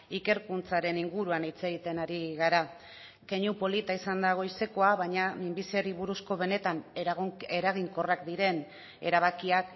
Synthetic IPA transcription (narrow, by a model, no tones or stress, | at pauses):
ike̞ɾkunt͡saɾe̞niŋɡuɾuanit͡se̞ɣ̞it̪e̞naɾiɣaɾa | ke̞ɲupo̞lit̪aisand̪aɣ̞o̞jse̞ko̞aβaɲamimbisiaɾiβuɾusko̞β̞e̞ne̞t̪an | e̞ɾaɣ̞iŋko̞rakd̪iɾe̞n | e̞̰ɾaβ̞akiak